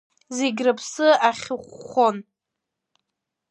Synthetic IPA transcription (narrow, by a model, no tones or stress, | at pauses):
zeɡʲrapʰsɨaχʲɨχʷːon